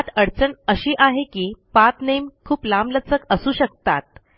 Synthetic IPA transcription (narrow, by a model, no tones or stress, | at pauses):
at̪əɽt͡səɳəɕiːʔaɦekiːpat̪nemkʰuːplamlət͡səkəsuːɕək̚t̪at̪̚